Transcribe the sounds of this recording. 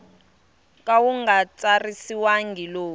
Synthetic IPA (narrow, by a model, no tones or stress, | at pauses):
k̬ʼawuŋɡat͡sarisiwaŋɡʱiloː